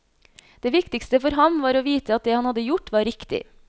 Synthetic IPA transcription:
d̪̥eːʋɪkt̪ɪkst̪əfɔɾɦɑmʋɑːɾoːʋiːt̪əɑt̪̚d̪eːhɑnhɑd̪ːəjʊʈʋɑːɾɪkt̪ɪ̰

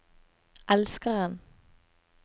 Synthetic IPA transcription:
ʔælskəʁɑn

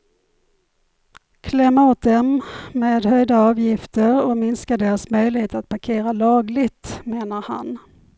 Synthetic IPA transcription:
kʰlɛmːaoːt̪̚d̪ɛmːeːd̪ɦœjd̪aɑːvjɪft̪əɾɔmɪnskad̪eːɾasmœjlɪheːt̪at̪̚pʰaɾkʰeːɾalɑːɡlɪɡt̪meːnaɾha̰n

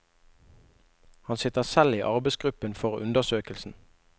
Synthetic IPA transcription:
hɑnsɪt̪əʁsɛliːʔɑʁbɛɪsɡʁʉpənfɔʁʉ̰nd̪əsøːkəlsn̩

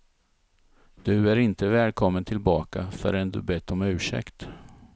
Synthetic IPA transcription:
d̪̥ɵæɾɪnt̪əvɛːlkʰɔmːənt̪ʰɪlbɑːkafœ̰ɾɛnd̪ɵbɛt̪ʰːɔmʉ̟ːʂɛ̰kt̪

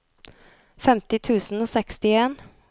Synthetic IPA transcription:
fɛmt̪ɪt̪ʰʉːsn̩oːsɛkst̪ɪeːn

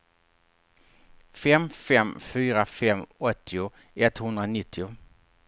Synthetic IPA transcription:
fɛmfɛmfyːɾafɛmːɔt̪ːɪʊ | ɛt̪hɵnd̪ɾanɪt̪ːɪʊ

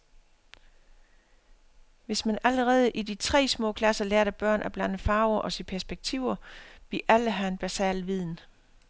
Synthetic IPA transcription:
ʋe̝smænæləʁɛːð̞̩ˠəʔidit͡sʰʁɛ̰ːsmɔ̰̽ːkʰlæsɐleɐɾæb̥ɶɐ̰nʔæb̥lænəfɑ̈ːʊɐʔɒ̽sipʰæɐsb̥eɡ̥̚t͡sʰiʊ̰ɐb̥liɐʔæləɦæe̝nb̥æsɛ̰ːlʋið̞̰ˠn̩

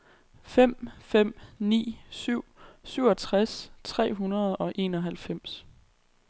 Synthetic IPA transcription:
fem̰fem̰nḭːsyʊ̰syʊɒ̽t͡sʰʁast͡sʰʁɛ̰ːɦunɐð̞̩ˠɒ̽ʔe̝ːnɒ̽ɦælfem̰s

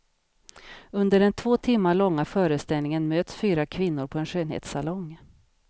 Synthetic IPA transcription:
ɵnd̪əɖɛnt̪ʰvoːt̪ʰɪmːaɭɔŋːafœːɾəst̪ɛlnɪŋənmøːt̪sfyːɾakʰvɪn̪ːʊɾpʰɔɛnɧøːnhḛːt̪salɔŋ

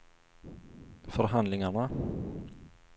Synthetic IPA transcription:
fœɾɦand̪lɪŋaɳa

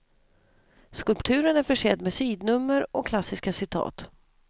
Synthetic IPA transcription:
skɵlpt̪ʰʉ̟ːɾənæɾfœʂɛːd̪mesyːd̪nɵmːəɾɔkʰlasːɪskasɪt̪ʰɑ̰ːt̪

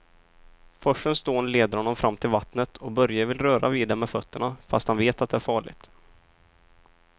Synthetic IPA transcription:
fœʂənsd̪oːnleːd̪əɾhɔnːɔmfɾʔamːt̪ʰɪlvat̪nət̪ʰɔbœɾjavɪlɾœːɾa̰viːd̪ɛmːɛfœt̪ːəɳafast̪hanveːt̪at̪d̪ɛæɾfɑːɭɪ̰ɡt̪

